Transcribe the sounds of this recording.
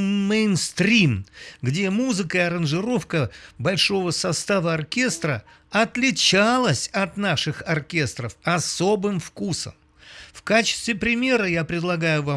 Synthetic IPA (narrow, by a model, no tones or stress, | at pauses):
mejnst̪ɾʲimɡdʲe̞muzɨkəiɐɾənʐɨɾo̞fkəbɐlʲʂo̞vəsɐst̪avəɐrkʲe̞st̪ɾə | ɐt̪lʲɪt͡ɕalˠəsʲɐt̪naʂɨxɐrkʲe̞st̪ɾəfɐso̞bɨmfkusə̰m | fkat͡ɕɪ̥st̪vʲɪpɾʲɪmʲe̞ɾəjapɾʲɪd̪lˠɐɡajʊva